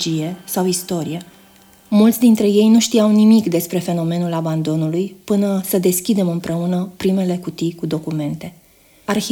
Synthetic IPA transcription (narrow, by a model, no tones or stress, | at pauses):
d͡ʒije̞sawist̪o̞ɾije̞ | mult̪sd̪int̪ɾe̞je̞jnuʃt̪iawnimikd̪e̞spɾe̞fe̞no̞me̞nulaband̪o̞nulujpɨnəsəd̪e̞skʲid̪e̞mɨmpɾe̞unəpɾime̞le̞kut̪ikud̪o̞kume̞nt̪e̞ | arxi